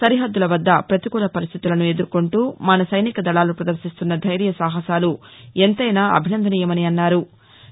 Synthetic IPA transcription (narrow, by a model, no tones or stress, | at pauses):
sɐɾiɦɐd̪ːulɐʋɐd̪ːɐpɾɐt̪ikuːlɐpɐɾist̪ʰit̪ulɐnue̞d̪uɾukoɳʈuːmɐnɐsɐjnikɐd̪ɐɭaːlupɾɐd̪ɐɾʃist̪unːɐd̪ʱɐjɾijɐsaːɦɐsaːlu | ent̪ɐjnaːʔɐ̰bʱinɐnd̪ʱɐniːjɐmɐniɐnːaːɾu